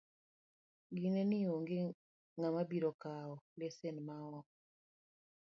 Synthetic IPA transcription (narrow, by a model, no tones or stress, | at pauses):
ɡinenioŋɡe | ŋamabiɾɔkaɔlɛsɛnmawɔ